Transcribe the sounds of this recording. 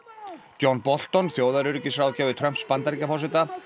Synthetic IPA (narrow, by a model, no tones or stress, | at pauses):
t̪jɔnpɔl̥t̪ɔnθjoːwðaɾʏɾcɪsɾawðcɛːvʏt̪ʰɾœm̥t̪spant̪aɾicafɔrsɪt̪a